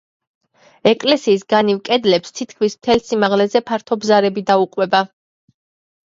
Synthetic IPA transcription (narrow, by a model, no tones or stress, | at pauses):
ɛkʼlɛsiːs̬ɡanivkʼɛd̪lɛpst̪ʰit̪ʰkʰmismt̪ʰɛlsimaʁlɛzɛpʰaɾt̪ʰɔbzaɾɛbid̪auqʼwɛba